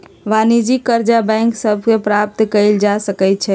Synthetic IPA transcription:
ʋanid͡ʒikːəɾd͡ʒabɛ̃ŋksəbʱkepɾap̚t̪kəɪld͡ʒasəkəjt̪̚t͡ʃʰɛ

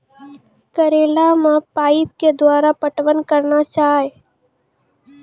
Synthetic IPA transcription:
kəɾeːlamãpaːip̚ked̪ʋaːɾapəʈʋənkəɾnat͡ʃaːɦe

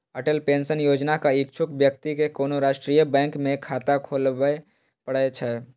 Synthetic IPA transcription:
əʈəlpẽːnsənjoːd͡ʒnakaɪkt͡ʃʰʊkbjək̚t̪ikekoːnoɾaːʃʈɾiːjəbɛ̃ːŋkmẽkʰaːt̪akʰoːle | pəɽəet͡ʃʰɛː

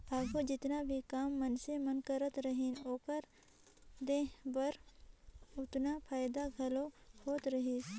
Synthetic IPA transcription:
aːbɦod͡ʒɪt̪nabʱikaːmːənsẽmənkəɾət̪ɾəɦinoːkəɾ | d̪eːbəɾ | ʊt̪napʰaːjd̪aɡʱɐlohoːt̪ɾəɦiː

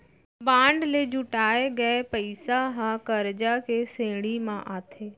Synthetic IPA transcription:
bãːɳɖled͡ʒʱʊʈaːeɡəepəɪsaɦãkəɾd͡ʒakesẽːɽimãʔaːt̪ʰeː

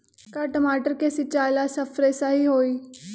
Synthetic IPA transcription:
kaʈəmaːʈəɾkesɪt͡ɕaːjlasɐfɾesaɦiɦoːiː

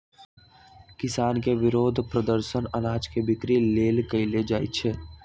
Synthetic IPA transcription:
kɪsaːnkeʋɪɾoːd̪ʱpɾəd̪əɾʃənɐnaːd͡ʒkebɪkɾileːlkɐiled͡ʒaːḭt͡ʃʰeː

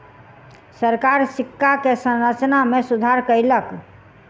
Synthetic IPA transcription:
səɾkaɾsikːakesə̃nɾət͡ʃnamesud̪ʱaɾkəjlək

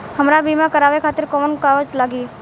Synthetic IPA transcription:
ɦəmɾabiːmãkəɾaːʋekʰaːt̪ɪɾkɔːnkaːʋəd͡ʒlaːɡiː

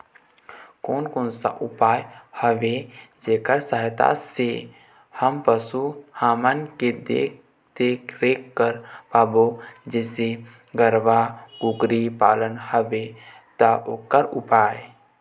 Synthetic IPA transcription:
koːnkoːnsa̰ʔʊpaːjhəʋed͡ʒeːkəɾsəɦɪt̪a̰se | həmpəsuhaːmənked̪e | d̪̥eːkʰɾeːkːəɾpaːbod͡ʒɛːse | ɡəɾʋaɡʊɡɾipa̰ːlənhəʋe | t̪aʔokəɾʊpaːe

